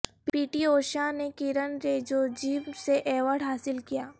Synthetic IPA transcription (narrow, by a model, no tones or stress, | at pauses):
piːʈioːʃanekɪɾənɾeːd͡ʒod͡ʒiːʋseʔɛːʋəɾɽɦaːsɪlkijaː